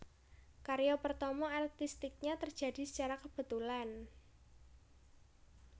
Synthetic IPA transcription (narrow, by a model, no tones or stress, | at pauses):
kaɾjɔpərt̪ɔmɔart̪ist̪ik̚ɲat̪ərdʒ̥a̤disə̥t͡ʃaɾakəb̥ə̤t̪ulan